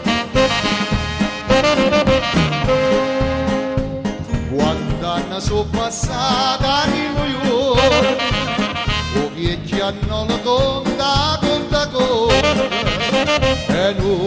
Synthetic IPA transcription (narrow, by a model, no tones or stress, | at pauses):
kwant̪anːasopːasːat̪aniluju | okjet͡ʃːianːɔlok̪ond̪akont̪ako | ɛnu